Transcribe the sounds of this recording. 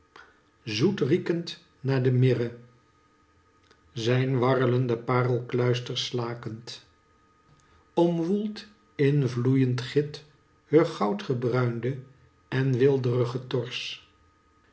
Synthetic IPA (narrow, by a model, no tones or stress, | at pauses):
zutrikənt | naːɹdəmɪrə | zɛjnʋɑrələndəpaːrəlˠklœɥstəɹslaːkənt | ɔmʋulˠt | ɪnvlujəntχɪt | høχɑwtχəbrœɥndə | ɛnʋɪlˠdərəχətɔɹs